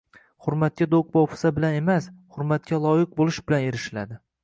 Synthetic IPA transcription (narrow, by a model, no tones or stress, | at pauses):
hʊɾmat̪̚kʲad̪okvɒwpʰɪ̥sabɪlane̞mashʊɾmat̪̚kʲalˠɒjɪq̚bolˠɪʃbɪlaneɾɪʃɪla̰d̪ɪ